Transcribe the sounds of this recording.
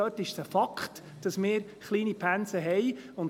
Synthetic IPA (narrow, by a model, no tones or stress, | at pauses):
œːtːɪʃsəfɑkχt | d̥ɑsmɪːɾ | χliːnipʰænsəɦɛjʊn